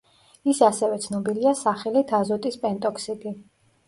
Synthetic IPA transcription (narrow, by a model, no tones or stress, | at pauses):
isasɛvɛt̪sʰnɔbiliasaχɛlid̪ʰazɔt̪ʼispʼɛnt̪ʼɔksib̪i